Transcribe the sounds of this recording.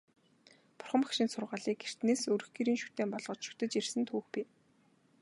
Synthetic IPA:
pʊ̥rχə̆makʃɪ̆nsʊrʁaːɮiːk̚ɡer̥t̪neːsɵɾɵ̆xɡiɾiːnʃu̥t̪eːmpɔɮʁ̥ɞ̆t͡ɕʃu̥t̪ɘ̆t͡ɕirsɘ̆nt̪ʰuːxpiː

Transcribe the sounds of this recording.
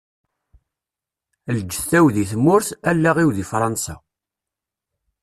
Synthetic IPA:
ld͡ʒːə̥θθæwðiθmːʊɾθælːæʁiwðifɾˤɑnsa

